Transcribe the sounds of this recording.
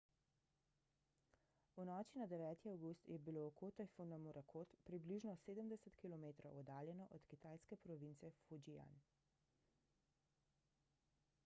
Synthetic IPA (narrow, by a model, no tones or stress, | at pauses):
unɔːt͡ʃinad̪ɛʋɛːt̪iawɡust̪jɛbiloːkoːt̪afunamuɾʔakʰoːt̪pɾibliʒnɔseːd̪əmd̪ɛsət̪kilɔmeːt̪ɾowɔd̪aːljɛnɔʔɔt̪kit̪aːjskɛpɾɔʋinsɛfud͡ʒia̰n